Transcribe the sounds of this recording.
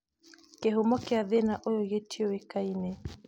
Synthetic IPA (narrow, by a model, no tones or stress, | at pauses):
kehumɔkeaðenaʔojoɣetʰioekainɛ